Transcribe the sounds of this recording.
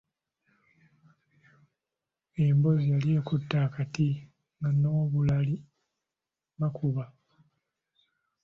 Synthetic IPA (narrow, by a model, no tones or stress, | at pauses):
embo̞zijaliekutːaːkati | ŋɡano̞ːβulali | βakʰuβa